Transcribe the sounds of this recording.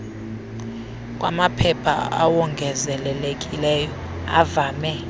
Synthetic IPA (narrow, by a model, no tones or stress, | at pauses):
kʼwa̰mapʰɛpʰa̰a̰wɔŋɡʱɛzɛlɛlek̬ʼilɛjɔ | a̰vaːmɛ